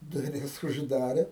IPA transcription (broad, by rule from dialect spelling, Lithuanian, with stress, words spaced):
dʊˈrʲɪs ʊʒˈdɑːrʲeː